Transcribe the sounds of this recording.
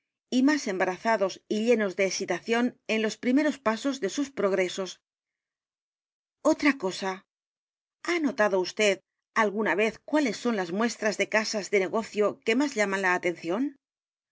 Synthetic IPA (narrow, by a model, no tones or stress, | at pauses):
imase̞mbaɾaθaðo̞siʎe̞no̞zðe̞ːsit̪aθjo̞ne̞nlo̞spɾime̞ɾo̞spaso̞zðe̞suspɾo̞ɣ̞ɾe̞so̞s | o̞t̪ɾako̞sa | anot̪aðo̞ust̪e̞ð | alɣunaβe̞θkwale̞sːo̞nlazmwe̞st̪ɾazðe̞kasazðe̞ne̞ɣo̞θjo̞ke̞mazʎamãnlaːt̪e̞nθjo̞n